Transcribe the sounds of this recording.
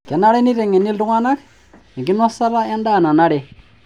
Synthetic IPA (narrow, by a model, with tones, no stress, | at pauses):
kɛ˨na˦ɾɛ˦ni˦ɾɛ˨ŋɛ˨ni˦lu˦ŋa˦na˦k | ɛ˨ŋɡi˦na˦sa˦ɾa˦a˦nda˦˨na˨na˦ɺɛ˨